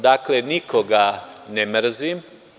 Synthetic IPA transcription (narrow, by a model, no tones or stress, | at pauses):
d̪aklenikoɡanemr̩zim